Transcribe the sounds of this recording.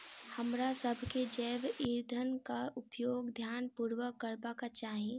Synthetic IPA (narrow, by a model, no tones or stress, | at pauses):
həmɾasəbʱked͡ʒɛːʋiɾd̪ʱənkaʊpjoːɡd̪ʱjaːnpuːɾwəkːəɾbakat͡ʃaːɦẽ